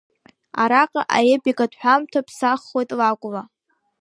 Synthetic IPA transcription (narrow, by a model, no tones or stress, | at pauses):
a̰ɾaqʼaʔajebiɡʼadħʷᶣamtʰapʰsaχːo̞jtʼlakʷʼla